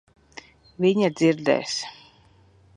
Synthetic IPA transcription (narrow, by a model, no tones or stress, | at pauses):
viɲad̪ziɾd̪ɛ̰ːs